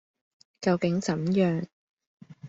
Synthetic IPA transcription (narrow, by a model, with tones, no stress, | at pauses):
kɐ˧wkɪ˨˥ŋt͡sɐ˨˥mjœː˨ŋ